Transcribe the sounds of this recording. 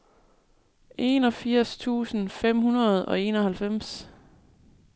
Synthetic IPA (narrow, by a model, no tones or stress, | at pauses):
ʔe̝nɒ̽fiɐ̰st͡sʰṵːsn̩fem̰hunɐð̞̩ˠɒ̽e̝ːnɒ̽hælfem̰s